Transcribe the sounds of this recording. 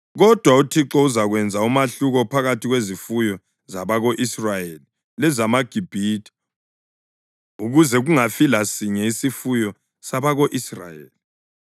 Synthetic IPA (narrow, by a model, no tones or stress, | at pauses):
ɣɔd̥ʱwautʰiǁɔuzaɣwɛnd͡zʱaumaɬuɣɔpʰaɣatʰiɣwezifujɔ | zaβaɣoʔisrajeli | lɛzamaɡ̥ʱib̥ʱitʰʼi̥ | uɣuzɛɣuŋafilasiɲɛisifujɔ | saβaɣoʔisra̰jḛːli